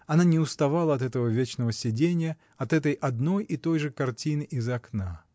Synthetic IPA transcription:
ɐnanʲɪʊst̪ɐvalˠəɐt̪ɛt̪əvəvʲet͡ɕnəvəsʲɪdʲenʲɪjə | ɐt̪ɛt̪əjʔɐd̪no̞jʔit̪o̞jʐɨkɐrtʲinɨʔɪzɐkna

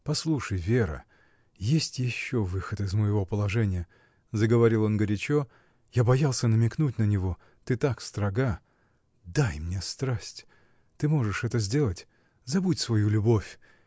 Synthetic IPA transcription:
pɐslˠuʂəjvʲeɾə̰ | jesʲtʲjɪɕːo̞vɨxət̪ɨzməjɪvo̞pəlˠɐʐɛnʲɪjə | zəɡəvɐɾʲilˠo̞nɡəɾʲɪt͡ɕo | jabɐjalˠsʲənəmʲɪknutʲnənʲɪvo̞ | t̪ɨt̪akst̪ɾɐɡa | d̪ajmnʲe̞st̪ɾasʲtʲ | t̪ɨmo̞ʐɨʂɛt̪əzʲdʲe̞lˠətʲ | zɐbutʲsvɐjulʲʊbo̞fʲ

